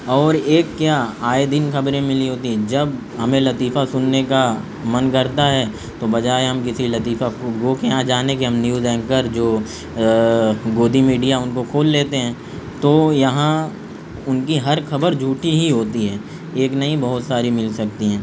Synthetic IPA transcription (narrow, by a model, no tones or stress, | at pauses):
ɔːɾeːkːjaːaːed̪ɪnkɐbɾẽmɪliɦoːt̪iɦɛ̃d͡ʒɐb | ɦɐmẽlɐt̪iːfasʊnːeka | mɐnkɐɾt̪aɦɛ | t̪obɐd͡ʒaːeɦɐmkɪsilɐt̪iːfakɡokeɦãd͡ʒaːnekeɦɐmnjuːzɛ̃ːŋkəɾd͡ʒoː | ɡoːd̪ʱimiːɖijaʊnkokʰoːlːeːt̪eɦɛ̃ː | t̪oːjɐɦã | ʊnkiɦɐɾxʰɐbəɾd͡ʒʱuːʈiɦiɦoːt̪iɦɛː | eːknɐɦĩbɐɦʊt̪saːɾimɪlsɐk̚t̪iɦɛ̃ː